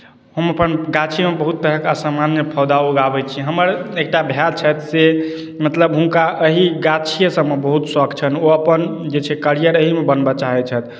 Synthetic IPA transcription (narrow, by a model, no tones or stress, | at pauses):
ɦəməpənɡat͡ʃʰimebəɦut̪ːəɾəkasəmanːepʰəwd̪auɡabɛt͡ʃʰiɦəməɾek̚ʈabʱjad̪t͡ʃʰət̪se | mət̪ləbɦũŋkaəɦiɡat͡ʃʰijəsə̃mːebəɦut̪səkʰt͡ʃʰənoəpənd͡ʒet͡ʃʰɛkəɾijəɾəɦimebənbat͡ʃaɦɛt͡ʃʰɛt̪̚